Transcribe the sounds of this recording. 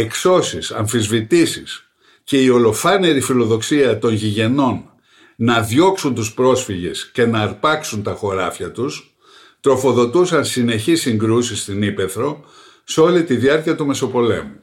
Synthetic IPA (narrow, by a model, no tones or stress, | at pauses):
e̞kso̞sisɐ̰ɱfizvit̪isis | ce̞io̞lo̞fɐne̞ɾifilo̞ðo̞ksiɐt̪o̞nʝiʝe̞no̞nː | ɐðʝo̞ksunt̪uspɾo̞sfiʝe̞sce̞nɐːɾpɐksunt̪ɐxo̞ɾɐfçɐt̪us | t̪ɾo̞fo̞ðo̞t̪usɐnsine̞çisiŋɡɾusist̪inipe̞θɾo̞ | seo̞lit̪iðiɐɾciɐt̪ume̞so̞po̞le̞̰mu